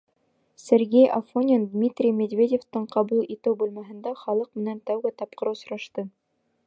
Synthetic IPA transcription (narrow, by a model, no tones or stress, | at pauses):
sʲeɾɡʲejʔɐfonʲend̪mʲit̪rʲijmʲed̪vʲedʲeft̪ɤɴqɑβulˠit̪ɘwbʉlmæɦɘ̆nd̪æχɑlˠɤq̚mɘ̆nænt̪æwɡɘt̪ɑp̚qɤ̆ɾɤwsŏɾɑʃt̪ɤ